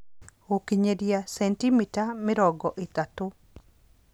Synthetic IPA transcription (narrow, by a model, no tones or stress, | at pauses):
okiɲedjasɛntimitamɪɾɔɡɔʔɪt̪at̪ʊ